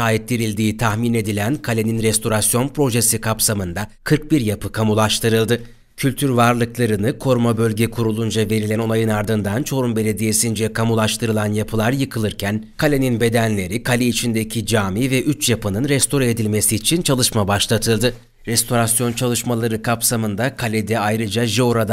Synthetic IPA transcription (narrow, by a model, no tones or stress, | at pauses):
aːit̪̚d̪iɾilʲd̪iːt̪ʰaxmine̞d̪ilʲænkʰalʲe̞ninɾɛst̪ʰo̞ɾasjo̞npɾo̞ʒesikʰapsamɯnd̪akʰɯɾk̚biɾjapʰɯkʰamulˠaʃt̪ʰɯɾɯlˠd̪ɯ | cʰylʲt̪ʰyɾvaɾlˠɯklˠaɾɯnɯkʰo̞ɾmabø̞lʲɟɛkʰuɾulˠund͡ʒave̞ɾilʲæno̞najɯnaɾd̪ɯnd̪ant͡ʃʰo̞ɾumbe̞lʲe̞d̪ije̞sind͡ʒɛkʰamulˠaʃt̪ʰɯɾɯlˠanjapʰɯlˠaɾjɯkʰɯlˠɯɾcʰænkʰalʲeninbe̞d̪ænlʲe̞ɾikʰalʲɛit͡ʃʰind̪ecʰid͡ʒaːmivɛʔyt͡ʃjapʰɯnɯnɾɛst̪ʰo̞ɾaed̪ilʲme̞siːt͡ʃʰint͡ʃʰalˠɯʃmabaʃlˠat̪ʰɯlˠd̪ɯ | ɾɛst̪ʰo̞ɾasjo̞nt͡ʃʰalˠɯʃmalˠaɾɯkʰapsamɯnd̪akʰalʲɛd̪ɛajɾɯd͡ʒaʒio̞ɾad̪a